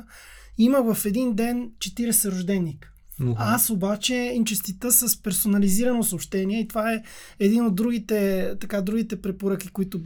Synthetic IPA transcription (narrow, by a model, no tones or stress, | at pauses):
iməvəfɛd̪ind̪ɛnt͡ʃɛt̪iɾɛsɛɾoʒd̪ɛnːik | asobat͡ʃɛint͡ʃɛst̪it̪əsəspɛɾsonɐliziɾənosoːpʃt̪ɛniɛit̪ovaɛ | ɛd̪inod̪ːɾuɡ̟it̪ɛt̪ɐkad̪ɾuɡit̪ɛpɾɛpoɾək̟ikoit̪ʊb